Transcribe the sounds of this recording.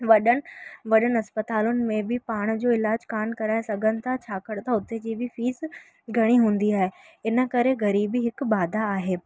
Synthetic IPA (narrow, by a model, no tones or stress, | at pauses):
ʋɐɗəɽ̆ʋɐɗənɐspət̪aːlʊnɪ̆mẽbʱɪpaːɽ̃d͡ʑoːɪlaːd͡ʑkaːnkɐɾaːesɐɡʱənɪ̆t̪ʰat͡ɕʰaːkəɽt̪aʊt̪ed͡ʑiːbʱɪfiːs | ɡʱɐɽ̃iɦũːn̆d̪iaːɦe | ɪnə̆kɐɾeɣɐɾiːbiɦɪkbaːd̪ʱaːɦeː